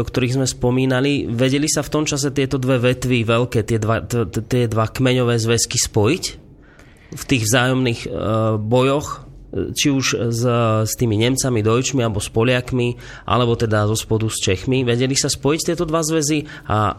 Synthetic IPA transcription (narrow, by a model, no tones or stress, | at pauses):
ɔkt̪ɔɾiːɣzmɛspɔmiːnaliʋɛɟɛlisaft̪ɔmt͡ʃas̬ɛt̪ɪɛt̪ɔd̪ʋɛʋɛt̪ʋiʋɛlkɛːt̪ɪɛd̪ʋat̪ɪɛd̪ʋakmɛɲɔʋɛːzʋɛskispɔjic | ft̪iːɣʋzaːjɔmniːɣbɔjɔxt͡ʃiuʃzst̪iːmiɲɛmt͡samid̪ɔjt͡ʃmialɛbɔspɔʎɪakmi | ʔa̰lɛbɔt̪ɛd̪azɔspɔd̪ust͡ʃɛxmiʋɛɟɛlisaspɔjict̪ɪɛt̪ɔd̪ʋazʋɛzi | ʔa̰